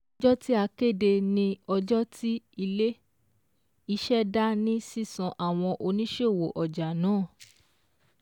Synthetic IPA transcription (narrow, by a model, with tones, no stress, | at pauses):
d͡ʒɔ˦ti˦a˧ke˦˨de˧nĩ˧ɔ˧d͡ʒɔ˦tʰi˦i˧le˦ | i˦ʃɛ˦da˦nĩ˦si˦˨sɔ̃˧ʔa˨w̃ɔ̃˧ʔo˧nĩ˦ʃe˦˨wo˨ʔɔ˨d͡ʒa˨nãː˨˦˨